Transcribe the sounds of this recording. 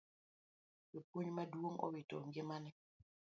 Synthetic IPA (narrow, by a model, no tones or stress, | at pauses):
jopwoɲmadwoŋɔ̰wito̰ŋɡɪmanɛ